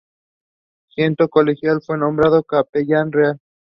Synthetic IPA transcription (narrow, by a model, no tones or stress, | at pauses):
sje̞nt̪oko̞lexjalfwe̞nõ̞mbɾaðokapeʎanreal